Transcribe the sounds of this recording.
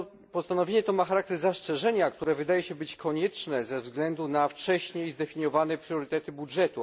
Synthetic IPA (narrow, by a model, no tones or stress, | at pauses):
pɔst̪anɔvʲjeɲɛt̪ɔmaxaɾak̚t̪ɛɾzast͡ʂɛʐɛɲak̚t̪uɾɛvɘd̪ajɛɕɛbɘt͡ɕkʰɔɲɛt͡ʂnɛzɛvzɡlɛnd̪unaft͡ʂɛɕɲejzd̪ɛfʲiɲjɔvanɛpɾjɔɾɘt̪ɛt̪ɘbudʐɛt̪u